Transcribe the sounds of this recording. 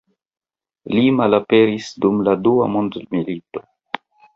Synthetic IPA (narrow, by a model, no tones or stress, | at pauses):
limalape̞ɾisdumladua̰mondmilito̞̥